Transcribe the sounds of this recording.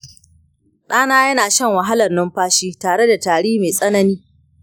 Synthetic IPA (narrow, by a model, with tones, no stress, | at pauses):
ɗaː˦naː˦jɐ˦naː˨ʃɐ˦ŋwɐ˨ɦa˦lɐ˨rnʊ˦mɸaː˦ʃiː˦taː˨ɽe˦da˨taː˨ɽiː˦meː˨sʼɐ˦nɐ˦niː˦